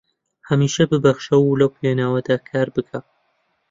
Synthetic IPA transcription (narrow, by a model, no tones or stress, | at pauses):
hɐmiːʃɐbɨbɐxʃɐwulɐwkweːnaːwɐd̪aːkʰaːɾbɨkʰa